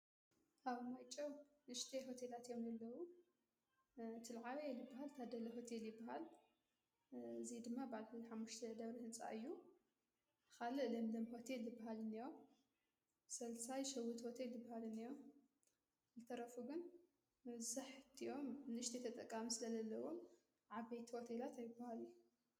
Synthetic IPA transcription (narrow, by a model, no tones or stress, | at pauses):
ʔaβmajt͡ʃʼɐwnɨʃt̪ʰeɦo̞t̪ʰelat̪ʰjo̞mjɐlːɐwu | t̪ʰɨlʕawelɨbːaɦalt̪ʰad̪ɐlɐɦo̞t̪ʰe̞ljɪbːaɦal | ɨzid̪ɨmːabaʕlɨħamːuʃt̪ʰɐd̪ɐβɾɐhɨnt͡sʼa̰ʔɨjːu | kʰalɨʔlɐmd̪ɐmho̞t̪ʰeljɨbːaɦalɨnːijom | sɐlsajʃɐwut̪ho̞t̪ʰe̞ljɨbːahalɨnːijom | zɨt̪ʰɐɾɐfuɡɨn | mɐbzaħt̪ʰiʔo̞mɨnɨʃt̪ʰit̪ʰɐt̪ʼɐkʼːamisɨlɐzɐlːɐwum | ʕaβɐjt̪ʰiho̞t̪ʰe̞lat̪ajɪbahalɨjːu